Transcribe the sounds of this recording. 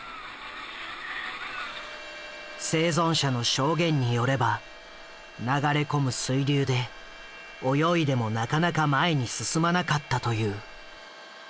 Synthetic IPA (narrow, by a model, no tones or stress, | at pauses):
se̞ːzõ̞ɰ̃ɕano̞ɕo̞ːɡẽ̞ɲ̟ːijo̞ɾe̞ba | naɡaɾe̞ko̞mɯ̟sɨiɾʲɨːd̪e̞ | o̞jo̞id̪e̞mo̞nakanakamaeɲ̟isɨsɨmanakat̪ːat̪o̞jɯː